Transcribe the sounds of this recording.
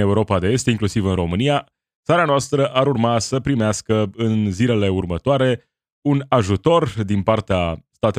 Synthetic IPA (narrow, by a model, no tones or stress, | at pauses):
e̞uɾo̞pad̪e̞est̪iŋklusivɨnro̞mɨnija | t̪saɾanoast̪ɾəʔaɾurmasəpɾimeaskəɨnzile̞le̞urmət̪oaɾe̞ | unaʒut̪o̞rd̪inpart̪east̪at̪e